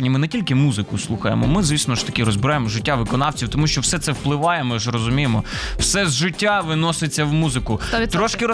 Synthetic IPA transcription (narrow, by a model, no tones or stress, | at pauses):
nʲimɪnɛtʲilʲkɪmuzɪkʊslˠuxɐjḛmɔ̰mɪzʋʲisnɔʃt̪ɐ̥kʲiɾɔzbɪɾajemɔʒɪtʲːaʋɪkɔnɑwt͡sʲiwt̪ɔmuʃt͡ʃɔwsɛt̪sɛwplˠɪʋɑjɛmɪʃɾɔzʊmʲijɪmɔwsɛzʒɪtʲːaʋɪnɔsɪt͡sʲːɐwmuzɪkʊt̪ɾɔʃkɪɾɔ